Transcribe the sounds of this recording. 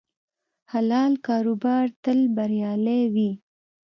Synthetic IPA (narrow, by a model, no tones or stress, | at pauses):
halɑlkɑɾubɑɾt̪əlbaɾjɑlewi